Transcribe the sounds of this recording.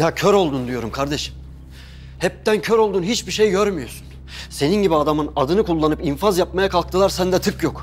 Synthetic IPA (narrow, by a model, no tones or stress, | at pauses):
jacʰøɾo̞lˠd̪und̪ijo̞ɾumkʰaɾd̪e̞ʃi̥m | hɛp̚t̪æncʰøɾo̞lˠd̪unhɦit͡ʃbiʃejɟøɾmyjo̞su̥n | se̞ninɟibiad̪amɯnad̪ɯnɯkulˠːanɯpinfazjapmajakʰalˠk̚t̪ʰɯlˠaɾsænd̪ɛt̪ʰɯkjok